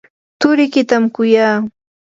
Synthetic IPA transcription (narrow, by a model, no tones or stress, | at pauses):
t̪ʊɾɪkɪt̪amkʊjaː